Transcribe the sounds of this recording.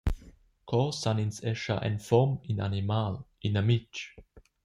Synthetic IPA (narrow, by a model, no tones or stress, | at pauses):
kʰɔsaninsɛʃa̰ʔɛ̰nfɔmina̰nimalinamit͡ʃ